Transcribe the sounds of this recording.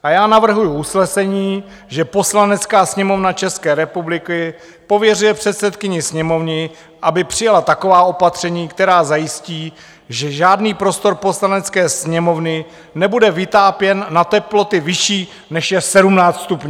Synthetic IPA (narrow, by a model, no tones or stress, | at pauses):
ʔajaːnavr̩ɦujuʔuslɛsɛɲiː | ʒɛpo̞slanɛt͡skaːsɲɛmo̞vnat͡ʃɛskɛːɾɛpublɪkɪ | po̞vjɛrujɛpr̥ɛt̪sɛt̪kɪɲɪsɲɛmo̞vnɪ | ʔabɪpr̥ɪjalat̪ako̞vaːʔo̞pat̪r̝̥ɛɲiːkt̪ɛɾaːzajɪsciː | ʒɛʒaːdniːpɾo̞st̪o̞ɾpo̞slanɛt͡skɛːsɲɛmo̞vnɪ | nɛbudɛvɪt̪aːpjɛnːat̪ɛplo̞t̪ɪvɪʃiː | nɛʃjɛsɛdumnaːt͡st̪st̪upɲu